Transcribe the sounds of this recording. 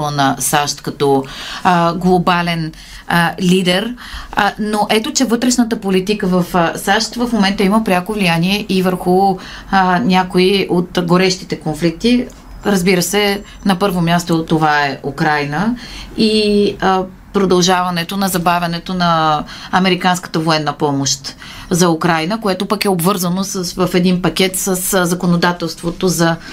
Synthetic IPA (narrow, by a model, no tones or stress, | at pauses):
nɐsaʃt̪kɐt̪ɔ | ɡlˠobalɛn | lid̪ɛɾ | noʔɛt̪ot͡ʃɛvɤt̪ɾɛʃnət̪əpolit̪ikəvɐfsaʃt̪vɐfmomɛnt̪əiməpɾʲakovlijaniɛʔivəɾxu | nʲakoiʔot̪ɡoɾɛʃt̪it̪ɛkonflik̚t̪i | ɾɐzbiɾəsɛ | nɐpɤɾvomʲjast̪ot̪ːovaɛʔukɾajnəi | pɾod̪ɐlˠʒavɐnɛt̪onɐzɐbavʲɐnɛt̪onɐːmɛɾikanskə̥t̪əvoɛnːəpɔmoʃt̪ | zɐukɾajnəkoɛt̪opəkɛobvɤɾzənosəsvəfɛd̪inpɐkʲɛt̪səszɐkonod̪at̪ɛlˠst̪vot̪ozɐ